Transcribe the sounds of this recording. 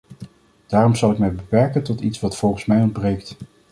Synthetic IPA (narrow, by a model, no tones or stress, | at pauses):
d̥aːrɔmzɑlˠɪkmɛjbəpɛɹkəntɔtitsʋɑtfɔlˠχənsmɛjɔnd̚brejkt